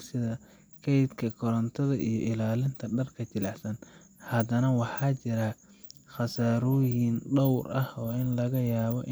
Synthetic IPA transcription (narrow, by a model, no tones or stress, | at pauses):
sɪðɐ | kʰɛjd̪kʰɐkʰɔɾɐnt̪ʰɐðɐʔijɔʔɪlaːlɪnt̪ʰɐɖɐrkʰɐt͡ʃɪlɑħsɐn | hɐd̪ɐnɐwɑħɑːt͡ʃɪɾɐχɑsaːɾɔjɪnɖɔwrʔɐhɔːɪnlɐɣɐjaːβɔʔɪ